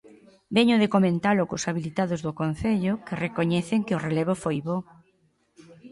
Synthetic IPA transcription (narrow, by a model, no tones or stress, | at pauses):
bɛɲʊðekomẽnt̪alʊkʊsaβilit̪aðʊzðʊkon̟θeʎʊkerekoɲɛθɪŋkɪʊreleβ̞ʊfojβo